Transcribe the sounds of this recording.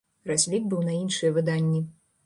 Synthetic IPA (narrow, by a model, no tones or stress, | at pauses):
rasʲlʲik̚bɨwnɐinʂɨjɛvɨd̪anʲːi